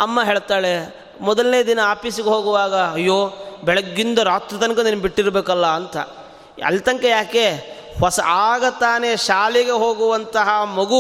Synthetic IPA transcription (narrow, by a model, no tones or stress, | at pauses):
ɐmːɐɦeːɭt̪aːɭe | mɔd̪ɐlnejɐd̪inɐaːpiːsiɡeɦoːɡuʋaːɡɐːjːoːbɛɭɐɡːind̪ɐɾaːt̪ɾit̪ɐnkɐniːnːbiʈːiɾɐbeːkɐlːɐːnt̪ʰɐ̰ | ɐ̰lt̪ɐŋkejaːke | hɔsɐ̰ʔaːɡɐt̪aːneːʃaːliɡe̞ɦoːɡuʋɐnt̪ɐɦɐmɐɡu